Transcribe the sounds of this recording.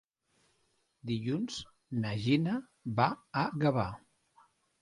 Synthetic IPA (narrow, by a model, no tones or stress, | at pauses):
d̪iʎunz | naʒina | βaːɣaβa